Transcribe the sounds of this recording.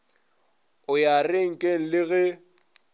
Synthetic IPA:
ʊjarɪŋ̩kʼeŋ̩lɪɣɛ

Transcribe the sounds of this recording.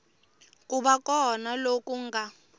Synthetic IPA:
kʼuɓakɔnalokʼuŋɡa

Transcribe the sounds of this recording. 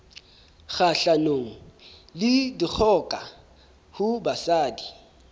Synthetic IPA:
χaɬanoːŋ̩lɪdik͡xʰɔkʼa | hʊbasaːdi

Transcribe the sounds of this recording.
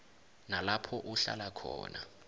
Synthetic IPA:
nalapʰɔʔuɬa̰lakʰɔ̰ːna

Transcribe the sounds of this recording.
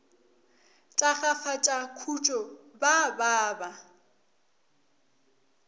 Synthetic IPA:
t͡ʃʼaχafat͡ʃʼakʰut͡ʃʼɔbabaːba

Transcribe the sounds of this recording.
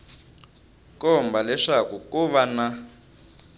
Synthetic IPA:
kɔmbʱalɛʂakukuβana

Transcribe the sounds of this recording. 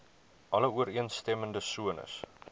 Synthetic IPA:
ʔɐləuəɾiənstɛməndəsuənə̰s

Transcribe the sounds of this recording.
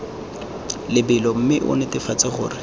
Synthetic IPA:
lɪbɪlɔm̩mɪʔʊ̰nɪtɪfat͡sɪχʊ̰ːrɪ

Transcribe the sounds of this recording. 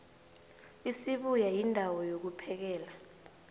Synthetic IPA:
isiɓujajindʱawɔjok̬upʰɛk̬ɛːla

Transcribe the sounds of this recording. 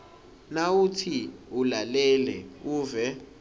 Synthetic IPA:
nawutʰiulalɛlɛuːvɛ

